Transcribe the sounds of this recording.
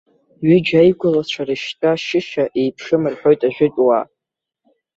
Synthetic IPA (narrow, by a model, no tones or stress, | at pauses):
ɥid͡ʒajɡʷʊlat͡ɕʷʰarɨʃtʼaʃɪʃaʔejpʰʂɨmɨrħʷᶣo̞jtʼaʒᶣʷɪtʼwa̰